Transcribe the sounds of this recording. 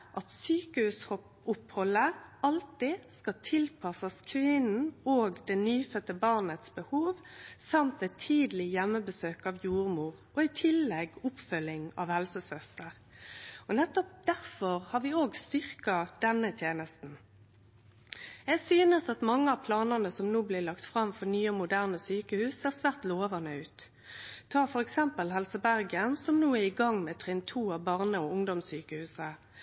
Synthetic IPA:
ʔɑt̪syːkəʉsɔ | ʊphɔlːəɑlt̪ɪskɑt̪ʰɪlpʰɑsɑskʰʋɪnn̩oːɡd̪ɛnyːfœt̪ːəbɑʁnət̪sbəhuːʋsɑmt̪ɛt̪ʰːiːd̪lɪjɛmːəbəsøːkɑʋjuːʁmuːʁ | ɔɪt̪ʰɪlːɛɡʊpfœlɪŋɑ̰ʋhɛlsəsœst̪əʁ | ɔnɛt̪ːɔp̚d̪̥æɾfɔʁhɑːʁʋɪoːɡst̪ʏʁkɑd̪̥ɛnːət̪ʰjeːnəst̪n̩ | ɛɡsyːnəsɑt̪mɑŋːəɑʋpʰlɑːnəʁnəsɔmnuːblɪʁlɑkt̪fʁɑmfɔɾnyːəɔmʊd̪æːʁnəsyːkəhʉːsæsʋæʁt̪loːʋɑnəʉːt̪ | t̪ʰːɑːfɔɾɛksɛmpəlɦɛlsəbæɾɡənsɔmnuːæɪɡɑŋːmɛːt̪ʰʁɛnt̪ʰuːɑʋbɑʁnəɔʊŋd̪ɔmsyːkəhʉːsə

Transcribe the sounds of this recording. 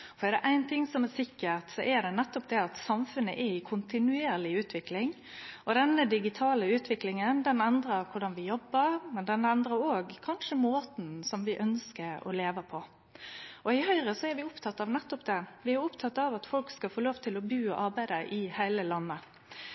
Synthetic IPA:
fɔɾɛd̪ɛʔæɪnt̪ʰɪŋsɔmɛsɪkːəɾt̪sɔʔɛɾd̪ɛnɛt̪ːɔpd̪ɛɑt̪sɑmfʉnːəʔɛɾɪkʰʊnt̪ɪnʉeːɾlɪʉːt̪ʰʋɪklɪŋ | ɔd̪ɛnːəd̪ɪɡɪt̪ʰɑːləʉːt̪ʋɪklɪŋənd̪ɛnɛnd̪ɾəɾkʰʊɖɑnʋɪjɔbːəɾmɛnd̪ɛnɛnd̪ɾəɾoːɡkʰɑnʂəmoːt̪n̩sɔmʋɪʔœnskəɾɔ̰leːʋəpʰɔ | ɔɪhœʏɾəsɔɛɾʋɪʊpt̪ʰɑt̪ːɑʋnɛt̪ːɔpd̪ɛʋɪæɾʊpt̪ʰɑt̪ːɑʋɑt̪fɔlkskɑfoːloːʋt̪ʰɪlɔbʉːɔʔɑɾbæɪd̪əʔɪhæɪləlɑnːə

